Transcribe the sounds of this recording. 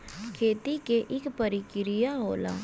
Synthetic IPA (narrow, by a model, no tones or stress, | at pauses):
kʰeːt̪ikeʔɪkpɐɾɪkɪɾɪjaɦoːla̰ː